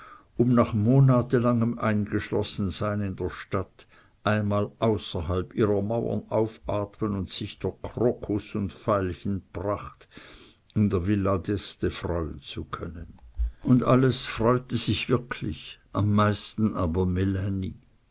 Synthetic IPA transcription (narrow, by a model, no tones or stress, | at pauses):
ʔʊmnaːχmoːnaːtəlaŋəmʔa̰ɪnɡəʃlɔsn̩zaɪnɪndeːɐʃtat | ʔaɪnmaːlʔaʊsɐɦalpʔiːʁɐmaʊɐ̰naʊfʔaːtmənʊntsɪçdʊkʰʁokʰosʊntfaɪlçənb̥ʁaχt | ɪndeːɐvɪladɛstəfʁ̥ɔʏənt͡sukʰœnənʔʊndʔaləsfʁ̥ɔʏtəz̥ɪçv̥ɪɐkʰlɪ̰çʔamːaɪstn̩ʔaːbɐmelanḭː